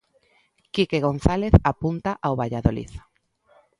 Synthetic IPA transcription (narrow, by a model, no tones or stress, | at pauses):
kikeɣonθaleθapunt̪aʔawβaʎaðolḭθo̥